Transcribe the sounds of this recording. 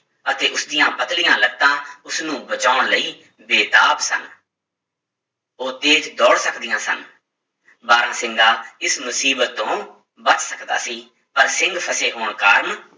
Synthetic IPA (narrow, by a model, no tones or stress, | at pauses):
ət̪eːʔʊsd̪ɪjãːpət̪lɪjãːləɡ̚t̪ãːʊsnũːbət͡ʃaːʊɳləiː | beːt̪aːpsə̰n | oːt̪eːt͡ʃd̪ɔːɽsəkd̪ɪjãːsə̰n | baːɾãːsɪ̃ŋɡaːɪsmʊsiːbət̪ːõː | bət͡ʃsəkd̪a̰ːsiː | pəɾsɪ̃ŋɡpʰəseːɦoːɳkaːɾm